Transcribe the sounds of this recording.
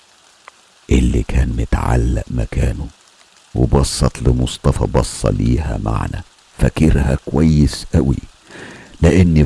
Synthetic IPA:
ʔɪlːikʰæːnmʊt̪ʕa̰lːæʔmækæːnu | webɑsˤːɑt̪lɪmosˤt̪ˤɑfɑbɑsˤːɑliːhæma̰ʕnæ | fækɪɾhækowæjːɪsʔæwi | lɪʔɪnːi

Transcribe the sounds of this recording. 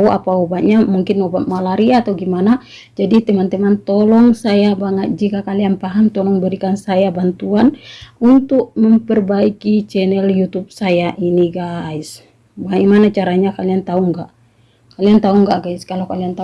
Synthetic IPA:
uʔa̰paubaʔ̪̚ɲamuŋkɪnɔbat̪̚malaɾiaːt̪awɡimana | d͡ʒadit̪ɛmant̪ɛmant̪ɔlɔŋsajabaŋət̪̚d͡ʒikakalianpaɦaŋt̪ɔlɔŋbəɾikansajabant̪uanunt̪ʊk̚məmpərbaikit͡ʃɛnɛljut̪up̚sajaʔiniɡais | baimanat͡ʃaɾaɲakaliant̪auŋɡa̰ʔ | kaliant̪auŋɡaʔɡaɪskalakaliant̪a

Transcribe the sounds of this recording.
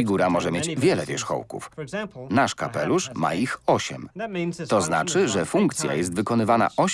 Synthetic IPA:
iɡuɾamɔʐɛmʲjed͡ʑvʲjɛlɛvʲjɛʂxɔ̰wkṵfnaʂkapɛluʂma̰ixɔɕɛmt̪ɔzna̰t͡ʂɘʐɛfuŋkt̪sʲja̰jɛs̬t̪vɘkɔnɘvana̰ʔɔɕ

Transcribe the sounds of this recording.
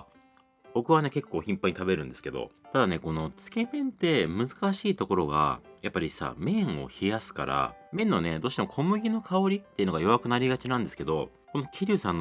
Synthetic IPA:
bo̞kɯ̟βane̞ke̞kːo̞ːçĩmpaɲ̟it̪abe̞ɾɯ̟̃nd̪esɨ̥ke̞d̪o̞̰t̪ad̪ane̞ko̞no̞t͡sɨ̥ke̞mẽ̞nt̪e̞mɯ̟zɨ̥kaɕiːt̪oko̞ɾo̞ɡa̰japːaɾʲisa̰mẽ̞ɰ̃o̞̰çijasɨ̥ka̰ɾa̰mẽ̞nːo̞ne̞d̪oːɕit̪emokʰo̞mɯ̟ɡʲino̞kʰaoɾʲit̪ːe̞iɯ̟noɡajo̞βakɯ̟naɾʲiɡat͡ɕinãnd̪e̞sɨ̥ke̞d̪o̞̰ | ko̞nokʲiɾʲɨːsãnːo

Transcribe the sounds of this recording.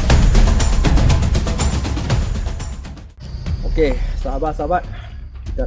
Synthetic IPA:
okesaɦabaʔsabat̪̚it̪a

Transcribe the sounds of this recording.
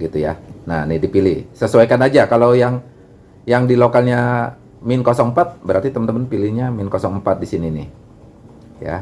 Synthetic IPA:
ɡit̪ujananɪhdipilɪhsəsuwajkanad͡ʒakalawjaŋ | jaŋdilokalɲa | minkosɔŋmpat̪̚bəɾart̪it̪əmənt̪əmənpilihɲamiɪnkosɔŋmpat̪̚disininɪh | ja̰

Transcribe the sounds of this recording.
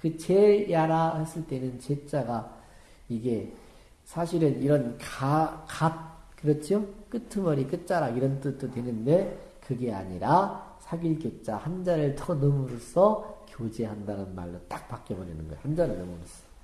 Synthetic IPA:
kɯt͡ɕe̞jaɾahes͈ɯɭt͈e̞nɯnt͡ɕe̞t͡ɕ͈aɡa | iɡe̞ | sʰaɕʰiɾɯniɾʌnkakat̚kɯɾʌt͡ɕʰjok͈ɯtʰɯmʌɾik͈ɯt̚t͡ɕ͈aɾaiɾʌnt͈ɯd͈otwe̞nɯnde̞ | kɯɡe̞a̰ɲiɾasʰaɡiɭkjot͡ɕ͈ahand͡ʑaɾɯɭtʰʌnɯmuɾosʰʌkjod͡ʑe̞ɦandanɯnma̰ɭːot͈ak̚pak͈ebʌɾenɯnɡʌ̰johand͡ʑaɾɯɭnʌmuɾosʰʌ̥

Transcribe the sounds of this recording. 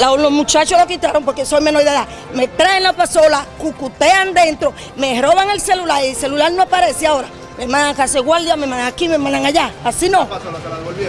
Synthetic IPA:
lalosmũt͡ʃat͡ʃolokit̪aɾompoɾkesojmenoðeða | met̪ɾaenlapasolakukut̪eand̪ent̪ɾo | me̞hɾoβaŋelselulaɾilse̞lulaɾnoapaɾeseaoɾa | memãnaŋkaseɣwald̪jamemãnaŋakimemãnaŋaʝaasinõ

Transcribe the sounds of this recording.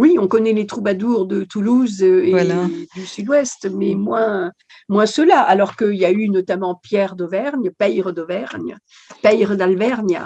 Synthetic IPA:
wiɔ̃kɔnɛlet̪χubad̪uʁd̪ət̪uluzøed̪ysyd̪wɛst̪mɛmwɛ̃ | mwɛ̃səlaʔalɔʁkəiljaynɔt̪amɑ̃pjɛʁd̪ɔvɛʁnpɛjʁəd̪ɔvɛʁn | pɛjʁəd̪alvɛʁnj

